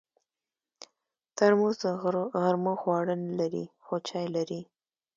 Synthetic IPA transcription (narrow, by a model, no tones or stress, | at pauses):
t̪əɾmozaɣaɾmoxwɑɽənlaɾḭxot͡ʃɑjlaɾi